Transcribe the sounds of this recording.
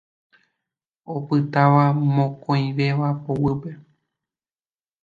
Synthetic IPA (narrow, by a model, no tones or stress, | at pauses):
opɨt̪aʋamõkõj̃ʋe̞ʋapowɨpe